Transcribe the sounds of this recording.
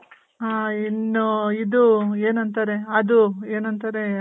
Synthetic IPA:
aːinːuid̪ueːnɐnt̪aɾeɐd̪ueːnɐnt̪ɐɾe

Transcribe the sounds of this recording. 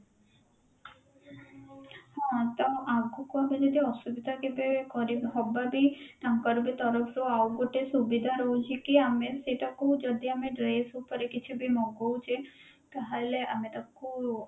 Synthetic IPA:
hãt̪ɔʔaɡukuamed͡ʒɔd̪iɔsubid̪ʱakebekɔɾibɔbabiʈamkɔɾubet̪ɔɾɔpʰɾuawɡoʈesubid̪ʱaɾɔwt͡ʃʰikiameseʈakud͡ʒɔd̪iameɖɾejsupɔɾekit͡ʃʰibemɔɡowt͡ʃʰe | t̪aɦaleʔamet̪ɔku

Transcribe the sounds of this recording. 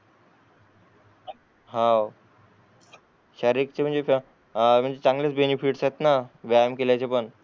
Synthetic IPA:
ɦãw | ɕaɾik̚t͡ɕem̤əɳd͡zef | m̤əɳd͡zd͡ʑet͡saŋɡlet͡sbenifiʈsajt̪naʋajmkelajt͡ɕepəɳ

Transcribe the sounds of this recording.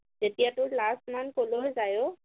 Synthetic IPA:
z̥etijatʊɹlastmankoloɦojzajʊ

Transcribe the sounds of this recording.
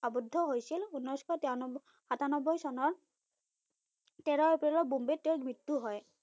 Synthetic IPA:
abudʱːɔɦojsilunɔjskʰɔt | hatanɔbɔjsɔnɔɹ | tɛɹɔɛpɹilɔɹbumbetːewmitːuɦɔj

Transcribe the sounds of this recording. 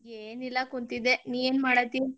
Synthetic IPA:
eːnilːɐkunt̪id̪ːeniːeːnmaːɽɐt̪ːi

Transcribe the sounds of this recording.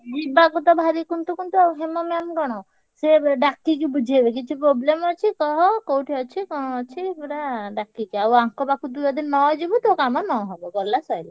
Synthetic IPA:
d͡ʒibaɡut̪ɔbʱaɾikunt̪ukunt̪ɔɦemɔmemɡɔɽ̃ɔ | seɖakːik̬ibud͡ʒʱiebekit͡ʃʰupɾoblemɔt͡ʃʰikɔɦɔkowʈʰiɔt͡ʃʰikɔɽ̃ɔɔt͡ʃʰipɾaɖakːikiawaŋkɔbakud̪ujɔd̪inːɔd͡ʒibut̪okamɔnɔɦɔbɔɡɔlːasɔjlɔ

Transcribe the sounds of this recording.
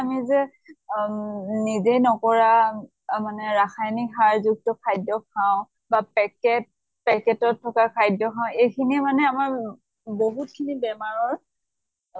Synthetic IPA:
amizɛ | nizejnɔkɔɹa | manɛɹaxʰajnixaɹzuk̚tɔkʰajdɔkʰaʊ̃ | bapɛkɛt̚ | pɛkɛtɔtʰːɔkakʰajdɔkʰaʊ̃ejkʰinimanɛamaɹ | boɦutkʰinibɛmaɹɔt

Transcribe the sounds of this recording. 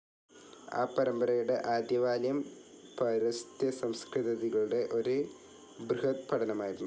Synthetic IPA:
a̰ːpːɐɾɐmbɐɾɐjuɽe̞ʔaːd̪jɐʋaːljɐm | pɐɾɐst̪jɐsɐmskrɨðɐðiɣɐɭuɽe̞ʔo̞ɾu | brɨɦɐt̪pɐʈʰɐnɐmaːjiɾunːu

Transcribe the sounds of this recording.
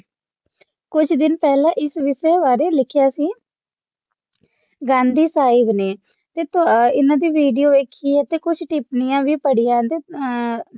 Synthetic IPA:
kʊt͡ʃʰd̪ɪnpɛːlãːʔɪsʋɪseːʋaːɾeːlɪkʰɪjaːsiː | ɡãːnd̪iːsaːiʋneː | t̪eːt̪ɪnãːd̪iːʋiːɖijoːeːkʰiːɦɛt̪eːkʊt͡ʃʰʈɪpnɪjãːʋiːpəɽɪjãːt̪eː

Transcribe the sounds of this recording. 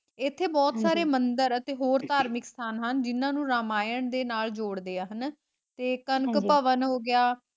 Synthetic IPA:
ɪt̪ʰːeːbɔːt̪saːɾeːmənd̪əɾət̪eːɦoːɾt̪aːɾmɪkst̪ʰaːnɦənd͡ʒɪnãːnũːɾaːmaːjəɳd̪eːnaːld͡ʒoːɽd̪eːaːɦən | t̪eːkənkpəʋənɦoːɡɪaː

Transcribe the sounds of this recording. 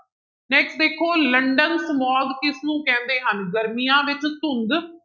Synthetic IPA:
nɛːksʈ̚d̪eːkʰoːləɳɖənsmɔːd̪kɪsnũːkɛ̃ːnd̪eːɦənɡəɾmijãːʋɪt͡ʃsʊnd̪

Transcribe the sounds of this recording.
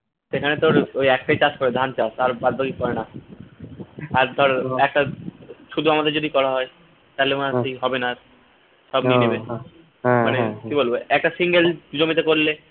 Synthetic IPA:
ʃekʰanet̪oɾojɛkʈajt͡ɕaskɔɾed̪ʱant͡ɕasaɾbad̪̚baɡikɔɾena | aɾd̪ʱɔɾɛk̚ʈaʃud̪ʱuamad̪eɾd͡ʑod̪ikɔɾaɦɔe | t̪ajleonakijɦɔbenaɾ | ʃɔbninebe | manekiboloɛk̚ʈasiŋɡeld͡ʑomit̪ekoɾle

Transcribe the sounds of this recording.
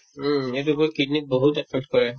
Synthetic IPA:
m̩etubɔɹkinik̚boɦutɛtʰɔtkɔɹɛ

